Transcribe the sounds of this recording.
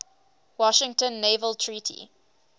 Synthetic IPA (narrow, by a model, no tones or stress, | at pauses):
wɔʃɪ̃ŋtə̃nːevəlˠtʰɹiːtʰḭ